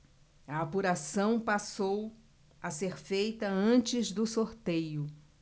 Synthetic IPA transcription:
ɐapuɾasɐ̃w̃pasow | ɐseɾfejt̪ɐɐ̃t͡ʃɪzd̪ʊsoɾt̪ejʊ

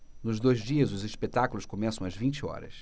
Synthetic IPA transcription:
nʊzd̪ojzd͡ʒiɐzʊziʃpet̪akulˠʊskomɛsɐ̃w̃ɐzvĩnt͡ʃɪɔ̰ɾɐ̰s

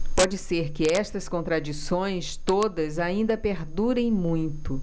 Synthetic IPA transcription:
pɔd͡ʒɪseɾkɪɛst̪ɐskõnt̪ɾad͡ʒisõj̃st̪od̪ɐzaĩnd̪ɐpeɾd̪uɾẽj̃mũj̃t̪ʊ

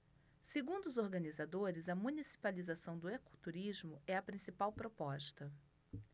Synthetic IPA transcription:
seɡũnd̪ʊʊzoɾɡɐnizad̪oɾɪzɐmũnisi̥palizasɐ̃w̃d̪ʊekut̪uɾizmʊɛɐpɾĩsipawpɾopɔʃt̪ɐ

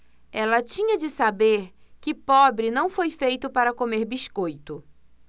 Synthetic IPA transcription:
ɛlɐt͡ʃĩɲɐd͡ʒɪsabeɾkɪpɔbɾɪnɐ̃w̃fojfejt̪ʊpaɾɐkomeɾbiʃkojt̪ʊ

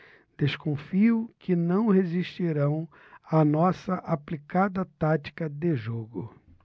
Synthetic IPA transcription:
d̪̥eskõfiʊkʰɪnɐ̃w̃heziʃt͡ʃiɾɐ̃w̃ | anɔsɐʔaplikad̪ɐt̪at͡ʃi̥kɐd̪eʒoɡʊ

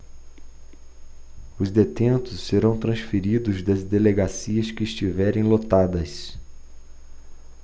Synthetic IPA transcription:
ʊzd̪et̪ẽnt̪ʊsːeɾɐ̃w̃t̪ɾɐ̃sfiɾid̪ʊzd̪ɐzd̪eleɡasiɐskɪːst͡ʃivɛɾẽj̃lot̪ad̪ɐs

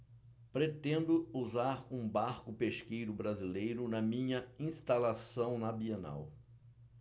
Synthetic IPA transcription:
pɾet̪ẽnd̪ʊuzaɾũbaɾkʊpeʃkejɾʊbɾazilejɾʊnɐmĩɲɐĩst̪alasɐ̃w̃nɐbiena̰w

